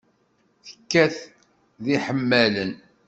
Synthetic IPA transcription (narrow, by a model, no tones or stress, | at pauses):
θə̥kːæθ | ðiħəmːælən